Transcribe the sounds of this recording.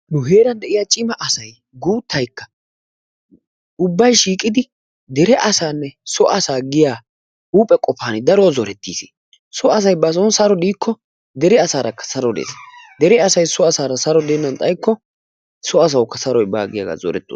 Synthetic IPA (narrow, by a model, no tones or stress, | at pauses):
nʊɦe̞ːɾɐnd̪ɛʔɪjaːt͡ʃʼɪmɐʔɐsɐj | ɡuːt̪ːɐjkːɐ̥ | ʊbːɐjʃiːkʼɪd̪ɪ | d̪ɛɾɛʔɐsaːnːɛsɔʔɐsaːɡɪjaː | uːpʼɛkʼɔfaːnɪd̪ɐɾoːzɔɾɛt̪ːiːsi̥ː | sɔɐs̬ɐjbɐs̬ɔnsɐɾɔd̪iːkʰːɔ | d̪ɛɾɛɐsaːɾɐkːɐ̥sɐɾɔd̪ḛːsd̪ɛɾɛɐsɐjsɔɐsaːɾɐsɐɾɔd̪ɛːnːɐnt̪ʼɐjkːɔ | sɔɐs̬ɐwkːɐsɐɾɔjba̰ːɡɪja̰ɡa̰ːzɔ̰ɾɛ̰t̪ːo̰